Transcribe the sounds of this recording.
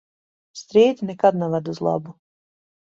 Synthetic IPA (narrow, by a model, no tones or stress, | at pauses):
st̪ɾiːd̪ʲinɛkad̪nɛvad̪uzlˠa̰bu